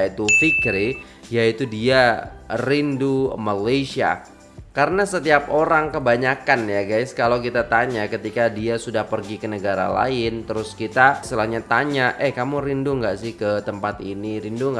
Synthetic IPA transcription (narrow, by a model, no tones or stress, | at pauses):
it̪ufikɾi | jait̪udiarindumalesia̰ | kaɾənasət̪iap̚oɾaŋkəbaɲakanjaɡajskalawkit̪at̪aɲakət̪ikadiasudahpərɡikənəɡaɾa̰la̰ɪnt̪əɾʊskit̪asəlahɲat̪aɲaʔɛhkamuɾinduŋɡaʔsɪhkət̪əmpat̪iniɾinduŋɡa